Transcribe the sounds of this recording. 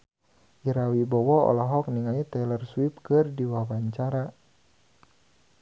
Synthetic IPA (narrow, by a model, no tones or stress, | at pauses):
ʔiɾawibɔwɔɔ̰laɦɔk̚niŋait̪ɛlərswip̚kɨrdiwawaɲt͡ʃaɾa